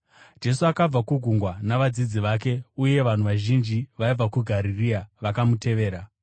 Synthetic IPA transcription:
d͡ʒe̞suakab͡vakuɡʱuŋɡwanaʋad͡zid͡ziʋake̞uje̞ʋan̤uʋaʒind͡ʒiʋaib͡vakuɡʱaɾiriaʋakamutʰe̞ʋe̞ːɾa

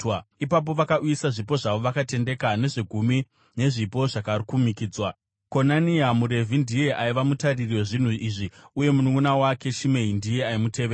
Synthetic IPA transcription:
ipap̬o̞ʋakaʔujisaʐipo̞ʐaʋo̞ʋakate̞nde̞kane̞ʐeɡʱumi | ne̞ʐipo̞ʐakarikumikiːd͡zwa | ko̞naniamuɾe̞vʱindije̞ʔaiʋamutaririwo̞ʐin̤uʔiʐiuje̞munuŋunawake̞ʃimeindije̞aimuteʋe

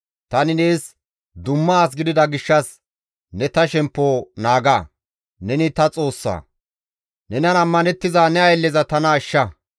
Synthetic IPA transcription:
t̪ɐnɪne̞ːs | d̪ʊmːɐːs̬ɡɪd̪ɪd̪ɐɡɪʃːɐs | nɛt̪ɐʃɛmpːoːnaːɡa | nɛnɪt̪ɐt͡sʼo̞ːsːa̰ː | nɛnɐnɐmːɐnɛt̪ːɪzanɛɐjlːɛzɐt̪ɐnɐːʃːɐ

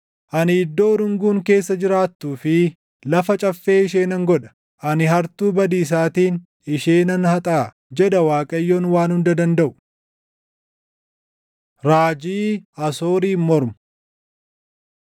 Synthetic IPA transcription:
ʔɐnɪɪd̪ːo̞ːɾʊŋɡuːŋke̞ːsːɐd͡ʒɪɾaːt̪ːuːfɪ | lɐfɐt͡ʃʼɐfːe̞ːɪʃe̞ːnɐŋɡɔᶑɐ̥ | ʔɐnɪhɐɾt̪uːbɐd̪iːs̬aːt̪iːn | ɪʃeːnɐnhɐt̪ʼaː | d͡ʒɛd̪ɐwaːkʼɐjːoːnwaːnhʊnd̪ɐd̪ɐnd̪ɐʔʊ̥ | ɾaːd͡ʒiːɐso̞ːɾiːmɔɾmʊ̥

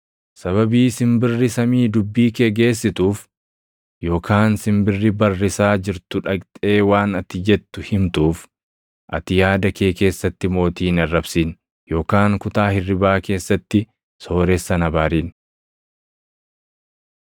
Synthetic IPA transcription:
sɐβɐbiːsɪmbɪrːɪsɐmiːd̪ʊbːiːkeɡe̞ːs̬ːɪt̪uːf | jo̞ːkʰaːnsɪmbɪrːɪbɐrːɪsaːd͡ʒɪɾt̪ʊᶑɐɡt̪ʼe̞ːwaːnɐt̪ːɪd͡ʒɛt̪ːʊhɪmt̪uːf | ʔɐ̰t̪ɪjaːd̪ɐke̞ːke̞ːsːɐt̪ːɪmo̞ːt̪iːnɐrːɐbsiːn | jo̞ːkaːŋkʊt̪aːhɪrːɪbaːke̞ːsːɐt̪ːɪ | so̞ːɾɛsːɐnɐbaːɾiːn

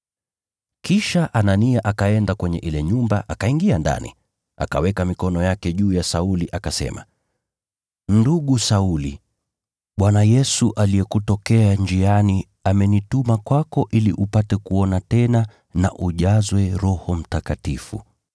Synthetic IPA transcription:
kiʃaʔananiaʔakaɛndakwɛɲɛʔilɛɲumbaʔakaiŋɡianda̰nḭ | ʔa̰ka̰wɛkamikɔnɔjakɛʄuːjasauliʔakasɛ̰ma̰ | nduɠusauli | ɓwanajɛsuʔaliɛkutɔkɛand͡ʒiani | amɛnitumakwakɔʔilḭʔupatɛkuɔnatɛna | na̰ʔuʄazwɛɾɔhɔm̩takatifṵ

